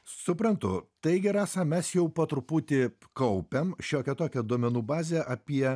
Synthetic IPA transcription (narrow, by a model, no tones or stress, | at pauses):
sʊpɾɐnt̪ʊ̰t̪ɐɪɡʲɛɾɑːsɑːmʲɛsjɛʊpɐt̪ɾʊpuːt̪ʲɪkɐʊpʲɛmʃʲoːkʲɛt̪oːkʲɛd̪uɔmʲɛnuːbɑːzʲɛʔɐpʲiɛ